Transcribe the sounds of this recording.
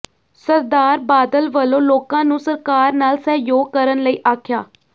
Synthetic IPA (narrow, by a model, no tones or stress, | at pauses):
səɾd̪aːɾbaːd̪əlʋəlõːloːkãːnũːsəɾkaːɾnaːlsɛːjoːɡ̚kəɾənləiːʔaːkʰjaː